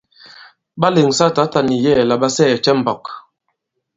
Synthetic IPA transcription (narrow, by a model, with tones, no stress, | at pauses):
ba˦le˨ŋsa˦˨ta˨˦ta˦ni˨jɛ˦˨la˨ba˦sɛ˦˨t͡ʃɛ˦m̩˨bɔ˨k